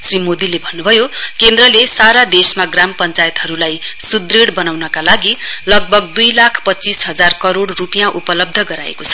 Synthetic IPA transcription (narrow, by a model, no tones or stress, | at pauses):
srimod̪ilebʱʌnːubʱʌjokend̪rʌlesaɾad̪esmaɡrampʌnt͡sajet̪ɦʌɾulajsud̪reɽbʌnawnʌkalaɡilʌɡ̚bʱʌɡd̪ujlakʰpʌtt͡sisɦʌd͡zarkʌɾoɽrupijãʔupʌlʌb̚d̪ʱʌɡʌɾa̰ḛkot͡sʰʌ̥